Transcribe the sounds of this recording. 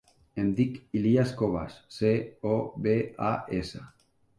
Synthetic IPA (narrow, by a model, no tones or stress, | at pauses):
end̪ikiliaskoβa̰sːeoβeaʔesa